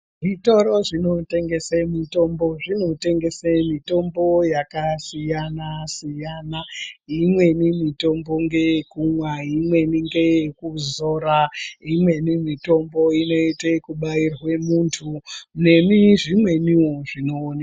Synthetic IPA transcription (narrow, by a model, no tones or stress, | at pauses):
ʐito̞ɾo̞ʐino̞te̞ŋɡe̞semito̞mbo̞ʐino̞te̞ŋɡe̞semito̞mbo̞jakasijanasijanaimwe̞nimito̞mbo̞ŋɡe̞kumwaimwe̞niŋɡekuzo̞ɾaimwe̞nimito̞mbo̞ino̞itekuɓairwe̞muntʰune̞miʐimwe̞niwoʐino̞ːna